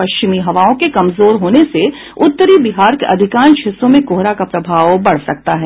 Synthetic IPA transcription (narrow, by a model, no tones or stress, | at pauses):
pɐʃt͡ʃɪmiɦɐʋaːõkekɐmzoːɾɦoːnese | ʊt̪ːəɾibɪɦaːɾkeʔɐd̪ʱɪkãːnʃɪsːõmẽkoːɦɾakapɾɐbʱaːʋbɐɽ̤sɐk̚t̪aɦɛː